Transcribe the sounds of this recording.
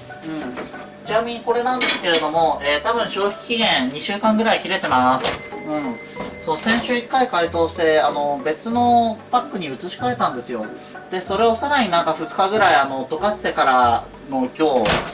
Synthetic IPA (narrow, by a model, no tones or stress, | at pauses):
ɯ̟̃ɴ | d͡ʑinamʲiɲiko̞ɾe̞nãnd̪e̞sɨ̥ke̞ɾe̞d̪o̞mo̞eːt̪abɯ̟̃ɰ̃ɕo̞ːçʲi̥i̥kʲːiɡẽ̞ɰɲiɕɨːkãŋɡɯ̟ɾaikʲiɾe̞t̪e̞masɨ̥ɯ̟̃ɴsosẽ̞ɰ̃ɕɨikːaikait̪oːɕt̪e̞ano̞be̞t͡sɨno̞pakːɯ̟ɲ̟iɯ̟t͡sɨɕi̥kae̞t̪ãnd̪e̞sɨjo̞ | d̪̥e̞so̞ɾe̞o̞saɾaɲ̟inãŋkaɸɯ̟t͡sɨ̥kaɡɯ̟ɾaiano̞t̪o̞kaɕi̥t̪e̞kaɾa | no̞kʲo̞ː